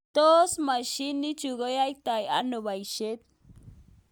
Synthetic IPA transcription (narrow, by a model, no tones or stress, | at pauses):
t̪osmaʃinit͡ʃuɣəjajt̪aja̰noβajʃet̪̚